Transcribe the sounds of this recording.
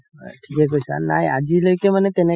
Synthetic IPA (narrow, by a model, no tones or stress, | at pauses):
ʈʰikek̬osa̰na̰ɦiad͡ʑiləkemənet̪ene